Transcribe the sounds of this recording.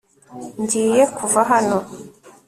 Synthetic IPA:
ɲɟiːje̞kʰuvaɦano̞

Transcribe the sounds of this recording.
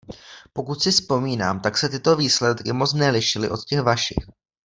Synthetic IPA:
po̞kut̪sɪspo̞miːnaːmt̪aksɛt̪ɪt̪o̞viːslɛt̪kɪmo̞t͡snɛlɪʃɪlɪ̰ʔo̞t̪cɛxvaʃɪ̰x

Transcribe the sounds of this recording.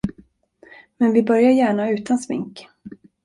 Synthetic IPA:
mɛnvɪbœɾjaɾjæːɳaʉ̟ːt̪ʰansmɪ̰ŋk

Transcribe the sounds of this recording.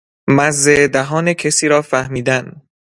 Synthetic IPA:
mæzːed̪æɦɒːnecʰesiːɾɒːfæhmiːd̪æn

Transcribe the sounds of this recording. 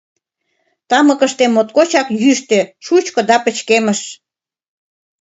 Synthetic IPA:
t̪ɑmə̆kə̆ʃt̪emːot̪kot͡ɕɑkjyʃt̪eʃut͡ɕkŏd̪ɑpə̆t͡ɕkemə̆ʃ

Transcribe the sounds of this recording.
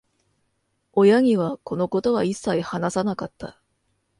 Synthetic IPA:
o̞jaɲ̟iβako̞no̞ko̞t̪o̞βaisːaihanasanakat̪ʰːa̰

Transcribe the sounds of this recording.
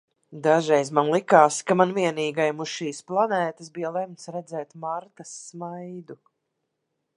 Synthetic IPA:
d̪aʒɛjzmanlˠikaːskamanviɛniːɡajmuʃʃiːsplˠanɛːt̪asbijalˠɛmt̪sɾɛd̪zɛːt̪maɾt̪asːmajd̪u

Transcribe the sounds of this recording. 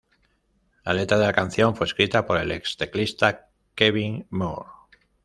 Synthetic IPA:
lale̞t̪ɾaðe̞lakan̟θjo̞ɱfweskɾit̪apo̞ɾe̞le̞kst̪eklist̪a | keβiŋmo̰ɾ

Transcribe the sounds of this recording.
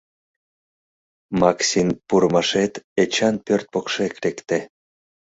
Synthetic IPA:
mɑksʲinpuɾmɑʃet̪et͡ɕɑnpørt̪̚pokʃekɾekt̪e

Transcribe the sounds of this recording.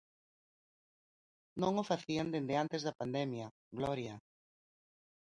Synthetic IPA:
nõŋofaθiand̪end̪eant̪ezðapand̪ɛmja | ɡlɔɾja

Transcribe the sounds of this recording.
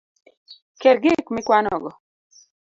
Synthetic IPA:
kɛɾɡɪkmɪkwanɔɡɔ

